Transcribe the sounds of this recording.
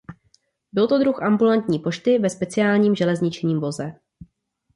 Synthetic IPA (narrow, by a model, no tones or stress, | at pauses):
bɪlt̪o̞d̪ɾuxʔambulant̪ɲiːpo̞ʃt̪ɪvɛspɛt͡sɪaːlɲiːmʒɛlɛzɲɪt͡ʃɲiːmvo̞zɛ